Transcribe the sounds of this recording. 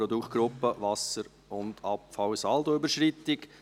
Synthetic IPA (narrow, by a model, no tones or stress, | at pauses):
ɾɔd̪ukt̚ɡ̥ɾʊpːəʋɑsəɾ | ʊnd̪ɑpfɑwsɑld̪oybəʃɾɪt̪ːɪk